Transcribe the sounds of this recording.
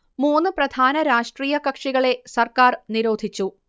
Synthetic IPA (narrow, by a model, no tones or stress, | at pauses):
muːnːɨprɐd̪ʱaːnɐɾaːʂʈriːjɐkɐkʂiɣɐɭe̞sɐrkaːrniɾo̞ːd̪ʱit͡ɕːu